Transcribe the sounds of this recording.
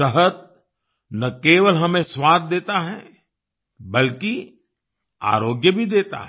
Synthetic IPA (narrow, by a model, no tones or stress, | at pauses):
əɦət̪̚ | nɐkeːʋəlɦɐmẽswaːd̪̚ːeːt̪aɦɛ̰̃ | bɐlki | a̰ːɾoːɡjəbʱid̪eːt̪a̰ɦ